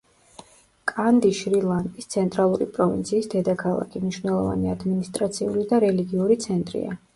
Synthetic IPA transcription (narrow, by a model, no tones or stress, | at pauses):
kʼand̪iʃɾilˠand̪ʼist̪sʰɛnt̪ʼɾalˠuɾḭpʼɾɔvḭnt̪sʰiːsd̪ɛd̪akʰalˠa̰kʰimniʃvwnɛlˠɔva̰niad̪minist̪ʼɾat̪sʰiulid̪aɾɛliɡiuɾit̪sʰɛnt̪ʼɾḭa̰